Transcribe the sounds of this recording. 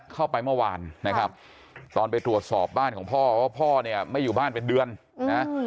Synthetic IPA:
kʰa˥˩wpa˧jmɯ˥˩əwaː˧nːa˦˥kʰɾa˦˥p̚ | t̪ɔː˧np̬a˧jt̪ɾu˨˩ət̪̚sɔː˨˩p̚baː˥˩nkʰɔː˩˦ŋpʰɔː˥˩˧wa˥˩pʰɔː˥˩ni˥˩ɐma˥˩jːuː˨˩baː˥˩npe˧ndɯ˧ən | na˦˥

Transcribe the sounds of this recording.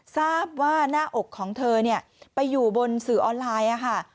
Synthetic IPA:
saː˥˩p̚waː˥˩naː˥˩ʔo˨˩kʰːɔː˩˦ŋt̪ʰɤː˧ni˥˩ɐ | pa˧jːuː˨˩bo˧nsɯː˨˩ʔɔː˧nlaː˧jʔa˨˩kʰa˥˩

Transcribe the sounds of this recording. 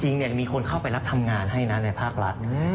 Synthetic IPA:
t͡ɕi˧ŋni˥˩ɐmiː˧kʰo˧nkʰa˥˩wpa˧jɾa˦˥p̚t̪ʰa˧mŋaː˧nɦa˥˩jna˦˥na˧jpʰaː˥˩k̚ɾa˦˥t̪̚ʔɯː˧˥˩

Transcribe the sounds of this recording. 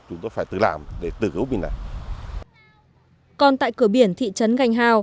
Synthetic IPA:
t͡ɕʊ˨˦ŋ͡mt̪o˧˦jfaː˧˩jt̪ɨ̰˧˨˩laː˧˩mɗe˧˩t̪ɨ̰˧˩kɨ˨˦wmi˨˩na̰˨˩ | kɔ˧nt̪a̰ː˧˨jkɨ˧˩əɓi˧˩ənt̪ʰḭ˧˨t͡ɕə˨˦nɣa˨˩jŋ̟ɦaː˧˩w

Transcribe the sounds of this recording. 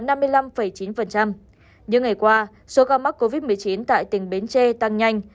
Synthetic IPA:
na˧mː˧əjla˧mfə˧˩jt͡ɕi˨˦nfə˨˩nt͡ɕa˧m | ɲɨ̰˧˥ŋa˨˩jkwaː˧ | so˨˦kaː˧wma˦˥ko˧vi˦˥t̚mɨ˨˩əjt͡ɕi˨˦nt̪a̰ː˧˨jt̪ï˨˩ŋ̟ɓe˨˦nt͡ɕe˧t̪a˧ŋɲa˧jŋ̟

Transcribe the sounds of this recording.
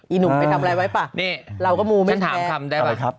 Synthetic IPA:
ʔiː˨˩nu˨˦a˧tʰa˧mlɛː˧˩wa˦˥jpa˨˩niː˥˩ɾa˧wkɔː˥˩muː˧ma˥˧˩nt̪ʰa̰ː˨˦˧t̪ʰa˧mdaː˥˩ja˩˦˥

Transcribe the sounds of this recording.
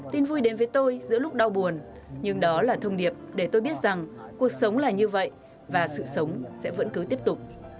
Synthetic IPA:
t̪i˧nvu˧jɗe˨˦nvəː˨˦jt̪o˧jzɨ̰˧˥əlʊ˦˥k͡p̚ɗa˧wɓu˨˩ən | ɲɨ˧ŋɗɔ˨˦laː˨˩t̪ʰə˧wŋ͡mɗi˨˩əp̚ɗe˧˩t̪o˧jɓi˦˥ət̚z̥a˨˩ŋku˨˩ək̚sə˨˦wŋ͡mlaː˨˩ɲɨ˧və̰˧˨jʔ | vaː˨˩sɨ̰˧˨sə˨˦wŋ͡msɛ̰˧˥və̰˧˥nkɨ˨˦t̪i˦˥əp̚t̪ʊ˨˩k͡p̚

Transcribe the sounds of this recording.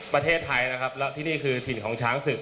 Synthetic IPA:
pɾa˧t̪ʰeː˥˩t̪ʰːa˧jna˦˥kʰa˦˥p̚lɛː˦˥wt̪ʰiː˥˩niː˥˩kʰɯː˧t̪ʰi˨˩nkʰɔː˩˦ŋt͡ɕʰaː˦˥ŋsɯ˨˩k̚

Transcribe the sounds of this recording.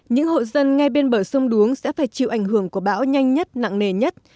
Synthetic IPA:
ɲɨ̰˧˥ŋho̰˧˨zə˧nŋa˧jɓe˧nɓəː˧˩sə˧wŋ͡mɗu˨˦əŋsɛ̰˧˥faː˧˩jt͡ɕḭ˧˨wʔa˧˩jŋhɨ˧˩əŋku˧˩əɓa̰ː˧˥wɲa˧jŋ̟ɲə˦˥t̚na̰˧˨ŋne˨˩ɲə˦˥t̚

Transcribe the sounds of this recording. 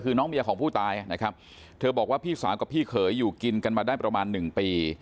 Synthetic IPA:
kʰɯː˧nɔː˦˥ŋbi˧ɐkʰɔː˩˦ŋpʰuː˥˩t̪aː˧jʔa˨˩na˦˥kʰɾa˦˥p̚ | t̪ʰɤː˧bɔː˨˩k̚waː˥˩pʰiː˥˩saː˩˦wka˨˩pʰiː˥˩kʰɤː˩˦jːuː˨˩ki˧nka˧nmaː˧daː˥˩jpɾa˧maː˧nːɯ˨˩ŋpiː˧

